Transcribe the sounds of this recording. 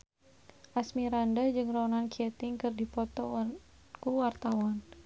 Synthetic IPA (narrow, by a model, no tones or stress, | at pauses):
ʔasmiɾandad͡ʒɨŋrɔɔnankiɛt̪ɪŋkɨrdipɔt̪ɔ | kuwart̪awɔn